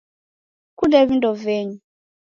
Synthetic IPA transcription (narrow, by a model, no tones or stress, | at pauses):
kudɛβindɔvɛɲu